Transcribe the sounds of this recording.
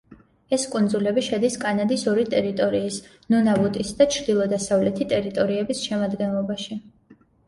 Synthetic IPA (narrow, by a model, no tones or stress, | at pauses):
ɛskʼund̪zulɛbiʃɛd̪iskʼanad̪isɔɾit̪ʼɛɾit̪ʼɔɾiːs | nunavut̪ʼisd̪at͡ʃʰɾd̪ilˠɔd̪asavlɛt̪ʰit̪ʼɛɾit̪ʼɔɾiɛbisʃɛmad̪ɡɛnlˠɔbaʃi